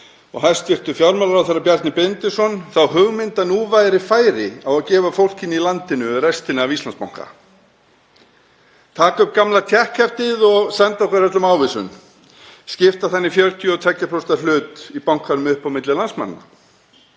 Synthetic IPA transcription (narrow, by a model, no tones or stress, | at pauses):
ɔ̰ɣhḁscɪr̥t̪ʏfjawɾmɛlɾawθɛɾːapjɛɾt̪nɪpɛnt̪ɪsɔnθawhʏɣmɪnt̪anuːvajɾɪfaːjɾɪawaðcɛːvafowl̥cɪnilant̪ɪnʏrɛst̪ɪnɪavist̪lanspa̰wŋ̥ka̰ | t̪ʰaːkaʏp̚kamlat̪ʰjɛhkʰːɛft̪ɪðɔɣsɛnt̪aɔhkvɛɾ̥ɛt̪lʏmawvɪsʏ̰n | scɪft̪aθanːɪfjœlt̪ʰjʏɔt̪ʰɛcːapʰɾɔst̪alʏːt̪ipawŋ̥kanʏmʏhpawmɪt̪lɪlansma̰nːa̰